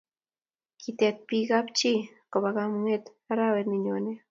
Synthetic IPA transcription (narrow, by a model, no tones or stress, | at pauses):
kit̪et̪̚piɡapt͡ʃi | koβaɣamuŋet̪ | aɾaweɾniɲone